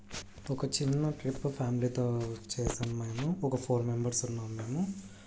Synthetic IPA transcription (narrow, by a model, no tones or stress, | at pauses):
ɔkɐt͡ʃinːɐʈɾipːpʰaːmiliːt̪oːt͡ʃeːsɐnɐmɐjmuɔkɐpʰoːɾme̞mbɐɾsunːaːmːeːmu